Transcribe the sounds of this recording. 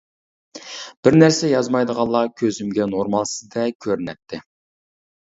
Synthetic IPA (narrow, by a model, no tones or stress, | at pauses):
b̥ɪɾnæɾse̞jɑzmɑjd̪əʁɑlˠːɑkʲʰɵzɪmɡʲe̞nwoɾmɑlˠsəzd̪ækʲʰɵɾɪnæt̪ːɪ